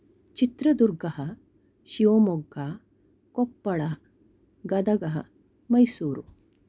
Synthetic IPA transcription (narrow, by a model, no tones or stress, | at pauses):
t͡ɕit̪ɾəd̪uɾɡɐɦə | ɕiʋomoɡa | kopːəɭa | ɡɐd̪ɐɡɐɦɐ̰ | mɐjsuːɾu